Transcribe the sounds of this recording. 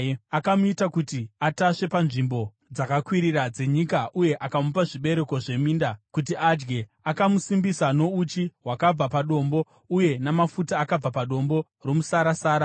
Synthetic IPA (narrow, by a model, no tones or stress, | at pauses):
akamuitakutiataʂe̞panʐimbo̞ | d͡zakakwiɾirad͡ze̞ɲikaʔuje̞ʔakamupaʐiɓe̞ɾe̞ko̞ʐe̞miːndakut̬iʔad͡ʒɡe̞ | akamusimbisano̞ut͡ʃiwakab͡vapaɗo̞mbo̞ | uje̞namafutaːkab͡vapaɗo̞mbo̞ | ro̞musaɾasaːɾa